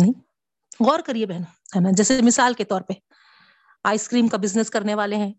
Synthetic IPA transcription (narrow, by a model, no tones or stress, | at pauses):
nĩ | ɣɔːɾkɐɾiebɛɦno | hɛːnad͡ʒɛːsemɪsaːlket̪ɔːɾpe | aːɪskɾiːmkabɪznəskɐɾneʋaːleɦɛ̃ː